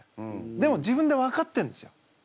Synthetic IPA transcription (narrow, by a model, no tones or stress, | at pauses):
d̪e̞mo̞d͡ʑibɯ̟̃nd̪e̞βakat̪ːẽ̞nd̪e̞sɨjo